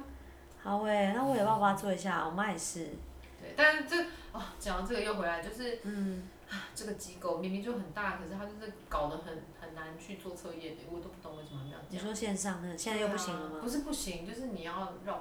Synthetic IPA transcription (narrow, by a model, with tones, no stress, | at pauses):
hɑ˨˧˦ʊwe˥˩ɪna˥˩wɔ˧˥jpɑ˥˧pa˧t͡swɔ˥˩i˧˥ɕ̬ja˥˩ɔ̰˨˩ma˥˧ɪʂɻ̩˥˩ | t̪we˥˩ɪt̪a˥n̩˥˩ʈ͡ʂə˥˩ɡɔ˥˩t͡ɕjɑ˨ŋɑ˨˩ʈ͡ʂɤ˥˩ɡə˩jo˥˩ʊxwe˧˥ɪla˧˥ɪt͡ɕjo˥˧ʊʂɻ̩˥˩n̩˥˩ | a˥˩ʈ͡ʂə˥˩ɡə˩t͡ɕi˧˥ko˨˩ʊmi˧˥ŋmi˧ŋt͡ɕjo˥˩ʊxə˨˩nt̪a˥˩kʰɤ˨˩ʂɻ̩˥˩tʰa˥t͡ɕjo˥˧ʊʂ̩˥˩kɑ˨˩ʊd̪ə˦xə˨˩nxə˨˩nna˧˦nt͡ɕʰy˥˧t͡swɔ˥˧t͡sʰɤ˥˧jɛ˥˩d̪ə˨˩˨t̪o˥ʊpu˥˩t̪o˧˥ŋwe˥˩ʂə˥˩m˨˧˩jɑ̰˥˧˩ni˨˩ʂwɔ˥ɕjɛ˥˧nʂɑ˥˧ŋnə˥˩ɡə˩ɕjɛ˥˧nt͡sjo˥˧p̬u˥˩ɕi˨˦ŋlə˧ma˨˩pu˧˦ʂ̬ɻ̩˥˧pu˥˩ɕi˧˦ŋt͡ɕjo˥˧ʊʂ̬ɻ̩˥˩ni˨˩˨jɑ˥˧ʊɻɑ˥˩